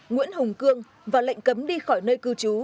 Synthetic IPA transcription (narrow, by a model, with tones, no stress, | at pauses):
ŋwḭ˧˥ənhʊ˨˩ŋ͡mkɨ˧əŋ | vaː˨˩lə̰˧˨jŋ̟kə˨˦mɗi˧xɔ˧˩jnəː˧jkɨ˧t͡ɕu˨˦